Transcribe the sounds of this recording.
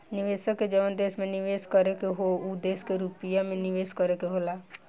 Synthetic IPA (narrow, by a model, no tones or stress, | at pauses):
nɪʋeːsəkːed͡ʒəʋənd̪eːsmẽnɪʋeːskəɾekeɦoud̪eːskeɾupijamẽnɪʋeːskəɾekeɦolaː